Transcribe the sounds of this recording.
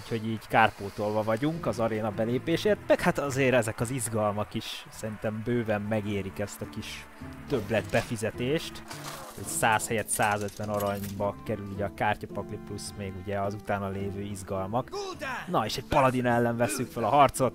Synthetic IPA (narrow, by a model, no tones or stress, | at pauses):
ucho̞ɟiːɟkaːrpoːt̪olvɒvɒɟuŋkɒzɒɾeːnɒbɛleːpeːʃeːrt̪mɛkhat̪ɒzeːɾɛzɛkɒzizɡɒlmɒkiʃsɛɾint̪ɛmbøːvɛmːɛɡeːɾikɛst̪ɒkiʃ | t̪øblɛd̪bɛfizɛt̪eːʃt̪o̰csaːshɛjɛt̪saːzøt̪ʋɛnoɾɒɲbɒkɛɾyluɟɛɒkaːrcɒpɒkliplusmeːɡuɟɛɒzut̪aːnɒleːvøːizɡɒlmɒknɒeːʃɛɟ̚pɒlɒd̪inɛlːɛɱvɛsːykfølɒɦɒrt̪so̞t̪